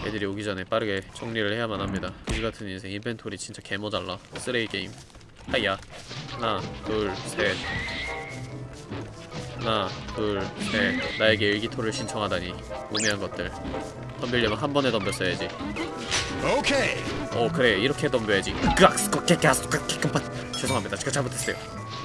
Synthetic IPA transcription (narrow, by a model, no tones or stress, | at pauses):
jedɯɾioɡid͡ʑʌne̞p͈aɾɯɡe̞t͡ɕʰʌŋɲiɾɯɭhe̞jamanɦamɲidakɯɡiɡatʰɯninsʰeŋinpʰe̞ntʰoɾit͡ɕint͡ɕ͈ake̞mod͡ʑaɭːas͈ɯɾeik͈eim | haianakɯɭsʰe | nakɯɭsʰe̞naeɡe̞iɭɡitʰoɾɯɭɕʰint͡ɕʰʌŋɦadaɲi | umiɦanɡʌt̚t͈ɯɭ | tʌmbiʎːimɯnɦanbʌne̞tʌmbjʌs͈ʌjad͡ʑi | okʰeʌkɯɾe̞iɾʌkʰe̞tʌmbjʌjad͡ʑiɯkɯak̚s͈ɯ̥k͈ʌk͈ek͈easkak͈ek͈ɯmpak | t͡ɕʰesʰoŋɦamɲidat͡ɕi̥k͈ʰat͡ɕamutʰes͈ejo